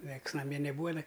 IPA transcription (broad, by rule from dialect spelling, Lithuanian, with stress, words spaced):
ˈnʲiɛks nɐˈmʲiɛ nʲɛˈbuːɐ jɪˈnɐɪ